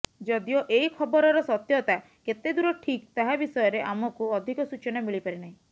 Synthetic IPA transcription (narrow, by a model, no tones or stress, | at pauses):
d͡ʒɔd̪ijoʔeikʰɔbɔɾɔɾɔsɔt̪jɔt̪a | ket̪ed̪uɾɔʈʰikt̪aɦabisɔjɔɾeʔamɔkuɔd̪ʱikɔsut͡ʃɔnamiɭipaɾinaɦĩ